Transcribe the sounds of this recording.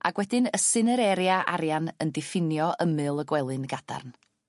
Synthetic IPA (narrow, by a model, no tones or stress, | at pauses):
a̰ɡ̥wɛdɨnəsɨnəɾɛɾjaʔa̰ɾjanəndɪfɪnjɔʔəmɨlˠəɡwɛlˠɨnɡad̥a̰rn